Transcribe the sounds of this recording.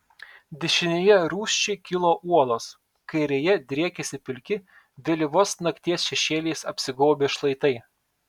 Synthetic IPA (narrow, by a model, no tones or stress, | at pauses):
d̪ʲɛʃʲɪnʲeːjɛɾuːsʲt͡ʃʲɛɪkʲɪlˠoːʔuɔlˠoːs | kɐɪɾʲejɛd̪ʲɾʲiɛkʲɛsʲɪpʲɪlʲkʲɪ | d̪ʲɛlʲiʋoːsnɐkt̪ʲiɛsʃʲɛʃʲeːlʲeːsɐpʲsʲɪɡoːbʲeːʃlˠɐɪt̪ɐɪ